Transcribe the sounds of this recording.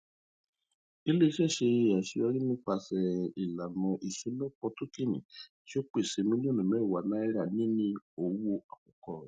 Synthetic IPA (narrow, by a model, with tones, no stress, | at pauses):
i˧le˦i˧ʃɛ˦˨ʃe˧˨a˨ʃi˧ɔ˧˦ɾi˦mĩ˦k͡pa˧sɛ˨i˨la˨mɔ̃˧ʔi˨sũ˨˦lɔ˦k͡pɔ˧to˦ki˦˨nḭ̃˨ti˦o˦k͡pe˦˨se˧mĩ˦lõ˦˨nĩ˨mɛ˦˨wa˨nã˨˦i˦ɾa˦˨nĩ˦nĩ˧o˧wo˧a˨kɔ˨kɔ˨ɾɔ˨